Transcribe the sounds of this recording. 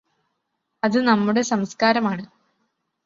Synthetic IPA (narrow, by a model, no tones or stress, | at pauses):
ɐðɨnɐmːuɽe̞sɐmskaːɾɐmaːɳɨ